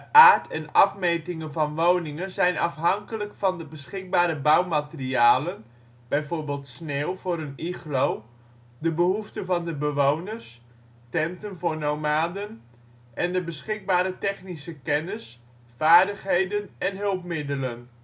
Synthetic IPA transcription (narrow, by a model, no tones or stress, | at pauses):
ʔaːɹtʰɛnɑfmejtɪŋənvɑnʋownɪŋənzɛjnɑ̰fɦɑŋkələkfɑndəbəsχɪk̚baːɾəbawmatəriaːlən | b̥ɛjvʊːɹbeːlˠtsneːlˠvʊːɾəniχlow | dəbəɦuftəvɑndəbəʋownərs | tɛntənvʊːɹnowmaːdən | ʔɛndəbəsχɪɡ̚baːɾətɛχnisəkɛnəs | faːɹdəχɦejdənɛnɦɵlˠpmɪdələn